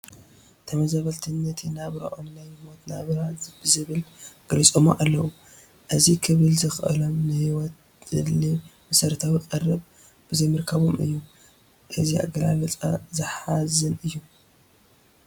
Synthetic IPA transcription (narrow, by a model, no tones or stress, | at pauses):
t̪ʰɐmɐzaβɐlt̪ʰɨnːɐt̪ʰinaβɾa̰ʔonnajmo̞t̪naβɾabɨzɨβɨlɡ̥ɐlit͡sʼomoʔalːɐwu | ʔɨzikʰɨβɨlzɨxʔɨ̰lo̞mnɨhiwɔt̪ | ɨlimɐsɐɾt̪ʰawiqʼɐrɨb | b̥ɨzɐjmɨɾkʰɐβomɨ̰jːu | ʔɨzia̰ɡɐla̰lɐt͡sʼa̰zɨħazɨnɨjːu